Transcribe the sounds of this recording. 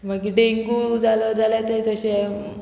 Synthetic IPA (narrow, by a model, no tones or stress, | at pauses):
maɡkiʈeiŋkud͡zaləd͡zʱalat̪et̪əɕe